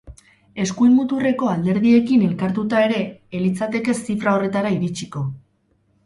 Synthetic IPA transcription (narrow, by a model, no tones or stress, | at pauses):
e̞skujnmut̪ure̞ko̞ald̪e̞ɾðie̞kine̞lkaɾt̪ut̪ae̞ɾe̞ːlit͡sat̪e̞ke̞sifɾao̞re̞t̪aɾaiɾit͡ʃiko̞